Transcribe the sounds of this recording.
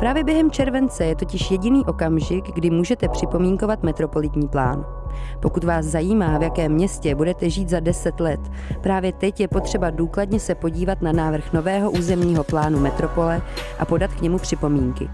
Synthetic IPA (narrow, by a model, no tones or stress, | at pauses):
pɾaːvjɛbjɛɦɛmt͡ʃɛɾvɛnt͡sɛjɛt̪o̞cɪʃjɛɟɪniːʔo̞kamʒɪɡɡdɪmuːʒɛt̪ɛpr̥ɪpo̞miːŋko̞vat̪mɛt̪ɾo̞po̞lɪt̪ɲiːplaːn | po̞kut̪vaːszajiːmaːvjakɛːmːɲɛscɛbudɛt̪ɛʒiːt̪zadɛsɛt̪lɛt̪ | pɾaːvjɛt̪ɛcjɛpo̞t̪r̝̥ɛbaduːkladɲɛsɛpo̞ɟiːvat̪nanaːvr̩xno̞vɛːɦo̞ʔuːzɛmɲiːɦo̞plaːnumɛt̪ɾo̞po̞lɛʔa̰po̞dat̪kɲɛmupr̥ɪpo̞miːŋkɪ̰